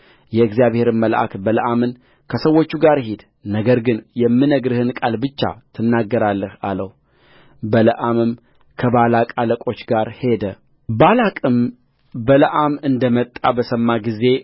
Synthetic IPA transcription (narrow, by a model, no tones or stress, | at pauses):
jɛɨɡzjaβhe̞ɾɨnməlʔa̰kbələʔamɨn | kʰəsəwo̞t͡ʃːuɡaɾhid̪ | nəɡəɾɡɨnjɛmːɨnəɡɾɨhɨnkʼalbɨt͡ʃːa̰t̪ʰɨnːaɡːəɾalːəha̰ləh | bələʔamɨm | kʰəβalakʼaləkʼo̞t͡ʃːɡaɾhe̞d̪ə | balakʼɨm | bələʔamɨnd̪əmət̪ʼːa̰bəsəmːaɡize̞